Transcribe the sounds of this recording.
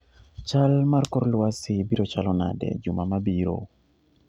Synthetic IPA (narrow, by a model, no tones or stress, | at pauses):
t͡ʃalmarkɔrlwasɪbiɾot͡ʃalɔna̰dɛ̰d͡ʒʊmamabiɾo̰